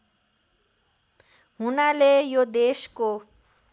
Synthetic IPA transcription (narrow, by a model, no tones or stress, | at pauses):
ɦunalejod̪esko